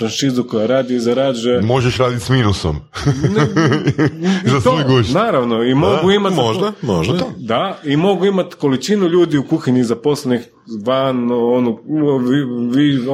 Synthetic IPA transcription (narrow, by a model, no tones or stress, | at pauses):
ɾanʃizukojaɾaːd̪ioizaɾaːd͡ʒuemo̞ʒeʃɾaːd̪it̪ʲsmiːnuso̰m | n | zast̪oojɡunaːɾaʋno̞imoɡuimat̪ʒd̪amoʒdad̪aimo̞ɡuimat̪ko̞lit͡ʃinuʎuːd̪iukuxiɲizapo̞slenix | ʋanonuiʋi